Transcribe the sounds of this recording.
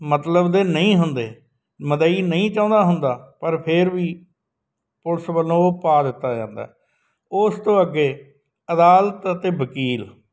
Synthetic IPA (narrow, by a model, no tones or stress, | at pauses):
mət̪ləbd̪eːnəĩːɦʊnd̪eː | məd̪aːiːnəĩːt͡ʃãːnd̪aːɦʊnd̪aːpəɾpʰɪɾʋiː | pʊlsbəlːõːpaːd̪ɪt̪ːaːd͡ʒãːnd̪a̰ːɛ | ʊst̪õːəɡːeː | əd̪aːlt̪ət̪eːbəkiːl